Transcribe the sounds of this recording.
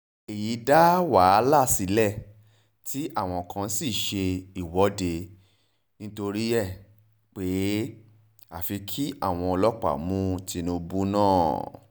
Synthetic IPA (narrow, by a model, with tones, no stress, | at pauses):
e˨ji˨˧da˦wa˨˦la˦˨si˨˦lɛ˦˨ | tʰi˦ʔa˦˨w̃ɔ̃˧˨kã˧˦si˦˨ʃe˧i˨wɔ˨˦de˧ | nĩ˦to˧ɾi˦ɛ˦˨ | k͡pe˨˦ | a̰˨fi˧kʰi˦a̰˦˨w̃ɔ̃˧ɔ˧lɔ˦k͡pa̰˦˨mũ˦ti˧nũ˧bu˦nãː˦˨